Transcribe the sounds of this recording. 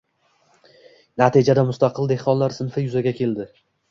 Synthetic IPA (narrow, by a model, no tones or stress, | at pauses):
nat̪id͡ʒad̪amʊst̪ɑqʰɨld̪e̞hqɒnlaɾsɪnfɪjʊzaɡʲakʲʰe̞ld̪ɪ